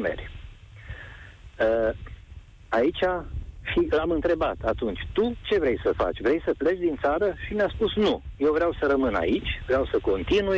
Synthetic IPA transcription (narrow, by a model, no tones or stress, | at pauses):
mḛrʲ | ə | ait͡ʃʲaʃiamɨnt̪ɾe̞bat̪ʰat̪unt͡ʃʲt̪ut͡ʃe̞vɾe̞jsəfa̰t͡ʃʲvɾe̞jsəple̞t͡ʃd̪int̪saɾəʃimʲaspusnuje̞wvɾeawsəɾəmɨna̰it͡ʃʲvɾeawsəko̞nt̪inuj